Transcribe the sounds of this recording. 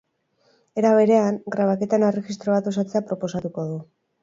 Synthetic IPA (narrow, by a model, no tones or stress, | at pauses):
e̞ɾaβ̞e̞ɾe̞aŋɡɾaβ̞ake̞t̪aenerexist̪ɾo̞β̞at̪o̞s̬at͡se̞apɾo̞po̞sat̪uko̞ðu